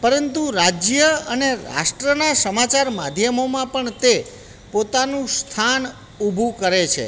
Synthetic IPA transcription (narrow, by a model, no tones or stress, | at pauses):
pəɾənt̪uɾad͡ʒjəəneɾa̰ʃʈɾənasəmat͡ʃaɾmad̪ʱjəmomãpəɳt̪e | pot̪anũst̪ʰan | ubʱukəɾet͡ʃʰḛ